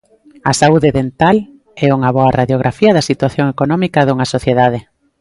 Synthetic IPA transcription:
ɐ̰sauðeðent̪al | ɛuŋɐβɔɐraðjoɣ̞ɾʔafiɐðɐsit̪waθjoŋekonɔmikɐðuŋɐsoθjeðað̞ɪ

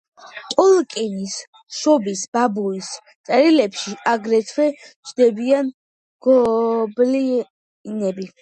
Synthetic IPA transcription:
qʼɔlˠkʼinis | ʃɔbisbabuis | t̪sʼɛɾilɛpʃiaɡɾɛt̪ʰwɛt͡ʃʰd̪ɛbian | ɡ̥ɔbli | nɛbi

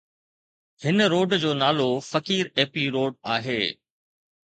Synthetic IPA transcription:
hɪnəɾoːɖd͡ʑoːnaːlofɐkiːɾeːpiɾoːɖ̚aːɦeː

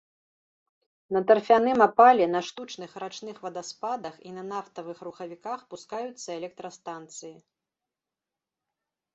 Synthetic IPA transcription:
nɐt̪ɐrfʲanɨmapalʲɛnɐʂt̪ut͡ʂnɨxɾat͡ʂnɨxvɐd̪ɐspad̪ɐxinɐnaft̪ɐvɨxruxɐvʲikaxpuskajut̪sːɐɛlʲɛk̚t̪ɾɐst̪ant̪sɨji

